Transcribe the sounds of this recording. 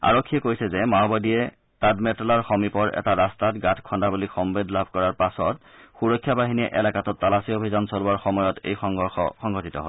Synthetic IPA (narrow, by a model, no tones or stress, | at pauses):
a̰ɹokʰːijɛkojsɛzɛmaɔbadiɛ | tadmɛtɔlaɹxɔmipɔɹʔɛ̰taɹastatɡatʰkʰɔndabulixɔmbedlabʱkɔɹaɹpasɔtxuɹɔkʰːjabaɦiniɛ̰ʔɛlakatɔtːalasiobʱizɔnsoluaɹxɔmɔjɔtḛjxɔɔxɔ̰xɔŋɡɔtitɔ̰ɦo